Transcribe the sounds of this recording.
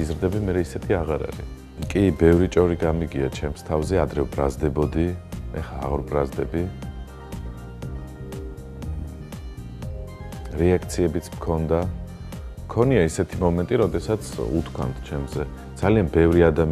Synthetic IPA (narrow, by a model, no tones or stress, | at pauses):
izɾd̪ɛbimɛɾɛisɛt̪ʰiaʁaɾa̰ɾḭ | kʼibɛvɾit͡ʃʼɔɾiɡamiɡiat͡ʃʰɛmst̪ʰavzɛad̪ɾɛbɾazd̪ɛbɔd̪iɛ̰χaːʁɾbɾazd̪ɛbi | ɾɛakʰt̪sʰiɛbit̪sʰmkʰɔnd̪a | mkʰɔniaisɛt̪ʰimɔmɛnt̪ʼiɾɔd̪ɛsat̪sʰṵt̪ʰkʰwa̰nt̪ʰt͡ʃʰɛmzɛ | d̪zalianbɛvɾiad̪am